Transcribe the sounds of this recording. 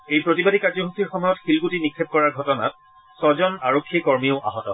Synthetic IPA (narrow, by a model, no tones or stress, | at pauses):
ejpɹotibadikaɹzɔɦukʰiɹxɔmɔjɔtxilɡutinikʰːeb̚kɔɹaɹɡʱɔtɔna̰t̚ | sɔzɔnaɹokʰːiekɔɹmioʊʔa̰ɦɔtɔ̰